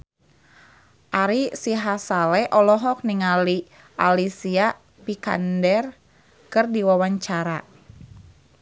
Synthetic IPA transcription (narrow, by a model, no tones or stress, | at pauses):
ʔaɾisiɦasalɛʔɔlɔɦɔk̚niŋali | ʔalisia | pika̰ndɛr | kɨrdiwawaɲt͡ʃaɾa